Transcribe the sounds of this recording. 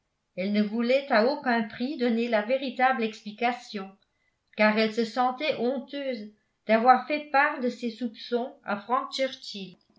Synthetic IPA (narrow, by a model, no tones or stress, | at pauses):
ɛlnəvulɛt̪aokœ̃pχid̪ɔnelaveʁit̪ablɛksplikasjɔ̃ | kaːʁɛlsəsɑ̃t̪ɛʔɔ̃t̪øːz | d̪̥avwaʁfɛpaʁd̪əsesupsɔ̃a̰fχɑ̃k̚t͡ʃɛʁt͡ʃil